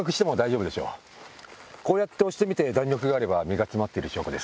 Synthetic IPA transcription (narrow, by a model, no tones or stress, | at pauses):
akɯ̟ɕi̥t̪e̞mo̞d̪aiʑobd̪e̞̰ɕo̞̰ː | ko̞ːjat̪ːeoɕi̥t̪e̞mʲit̪e̞d̪aɲʲːjo̞kɯ̟ɡaːɾe̞bamʲiɡat͡sɨmat̪ːe̞iɾɯ̟ɕo̞ːkod̪e̞s